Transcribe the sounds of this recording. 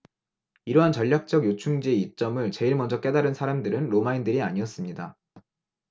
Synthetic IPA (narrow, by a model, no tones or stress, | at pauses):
iɾʌɦant͡ɕʌʎːak̚t͡ɕ͈ʌɡjot͡ɕʰuŋd͡ʑieit͡ɕ͈ʌmɯɭt͡ɕe̞iɭmʌnd͡ʑʌk͈e̞daɾɯnsʰaɾamdɯɾɯnɾomaindɯɾiaɲiʌs͈ɯmɲida